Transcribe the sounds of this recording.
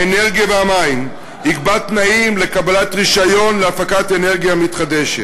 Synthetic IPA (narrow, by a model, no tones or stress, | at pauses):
eneʁɡijaveamaim | ikbat̪naimle̞kabalatʁiʃajo̞nleafakate̞ne̞ʁɡijamit̪χad̪e̞ʃet